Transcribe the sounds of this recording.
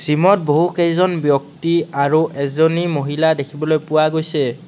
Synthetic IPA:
z̥imɔt̚boɦukejzɔnbjɔk̚tiaɹuʔɛzɔnimoɦiladekʰibɔlojpʊwaɡojsɛ

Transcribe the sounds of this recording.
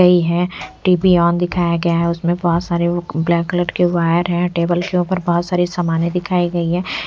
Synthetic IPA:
ɐiɦɛʈiːpiɔːnd̪ɪkʰaːjaɡɐjaɦɛʊsmẽbɔɦːt̪saːɾeblɛːkləʈɖkeʋaːjəɾɦɛ̃ʈeːbəlkeuːpəɾbɔɦːt̪saːɾisɐmaːnẽd̪ɪkʰaːiɡɐiɦɛ̃ː

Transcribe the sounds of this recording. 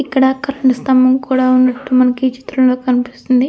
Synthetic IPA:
ikːɐɽɐːkːɐɾɐɳɐst̪ɐmɐmkuːɽaːunːɐʈːumɐnɐkit͡ʃi̥t̪ɾɐmlo̞ːkɐnipist̪und̪i

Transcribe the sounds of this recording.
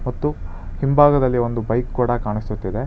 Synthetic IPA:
mɐt̪ːu | himbʱaːɡɐd̪ɐlːio̞nd̪ubɐjkkuːɽɐkaːɳist̪ut̪ːid̪e̞

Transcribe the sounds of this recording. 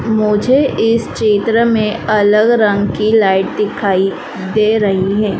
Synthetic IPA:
mʊd͡ʒʱeʔɪst͡ʃeːt̪ɾəmẽɐləɡɾɐ̃ŋɡkilaːɪʈ̚d̪ɪkʰaːi | d̪eːɾɐɦiɦɛː

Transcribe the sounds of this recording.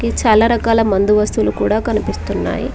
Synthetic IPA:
kit͡ʃaːlaːɾɐkaːlɐmɐnd̪uʋɐst̪ulukuːɽaːkɐnipist̪unːa̰ːjḭ

